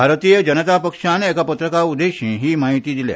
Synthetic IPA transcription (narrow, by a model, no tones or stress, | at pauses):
bʱaɾt̪ijəd͡ʒənət̪apəkʂaneːkapət̪ɾəkaud̪eɕĩːɦiːmaɦit̪iːd̪ilḛ